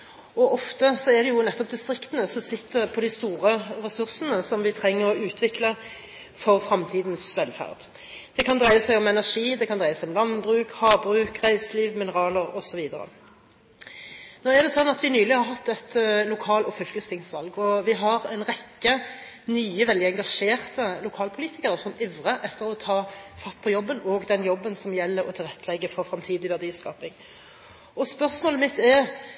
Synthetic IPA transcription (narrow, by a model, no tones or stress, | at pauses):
ɔʔɔft̪əsɔɛʁd̪ɛjʊnɛt̪ːɔp̚d̪ɪst̪ʁɪkt̪ənəsɔsɪt̪ːəʁpʰɔd̪ɪst̪uːʁəʁɛsʉʁsənəsɔmʋɪt̪ʰʁɛŋːəʁɔʉːt̪ʰʋɪklə | fɔʁfʁɑmt̪ʰiːd̪nsʋɛlfæ̰ʁd̪ | d̪̥ɛkʰɑnd̪ʁæɪəsæɪɔmɛnæʁʂiːd̪ɛkʰɑnd̪ʁæɪəsɛɪɔmlɑnbʁʉːkhɑːbʁʉːkʁæɪsliːʋmɪnəʁɑːləʁɔsɔʋiːd̪əɾə̰ | noːɛʁd̪ɛsɔnːɑt̪ʋɪnyːlɪhɑɾɦɑt̪ːɛt̪lʊkʰɑːlɔfʉlkəst̪ɪŋsʋɑlɡɔʋɪɦɑʁɛɪnʁɛkːə | nyːəʋɛld̪ɪɛŋɡɑʂeːʁt̪əlʊkʰɑːlpʰʊliːt̪ɪkəɾəsɔmɪʋʁəʔɛt̪ʰːəɾɔt̪ʰɑːfɑt̪ːpʰɔjɔbːənɔɡd̪ɛnjɔbːənsɔmjɛlːəɾɔ̰t̪ʰɪlʁɛt̪ʰːəlɛɡːəfɔʁfɾɑmt̪ʰiːd̪ɪʋæʁd̪iːskɑːpɪŋ | ɔspœʁsmoːləmɪt̪ɛʁ